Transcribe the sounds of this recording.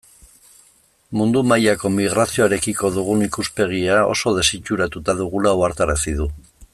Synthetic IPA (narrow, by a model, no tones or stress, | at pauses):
mund̪umajako̞miɣ̞ɾasio̞aɾe̞kiko̞ðuɣ̞unikuspe̞ɣ̞iao̞̰so̞ðe̞sit͡ʃuɾat̪ut̪aðuɣulauaɾt̪aɾasiðu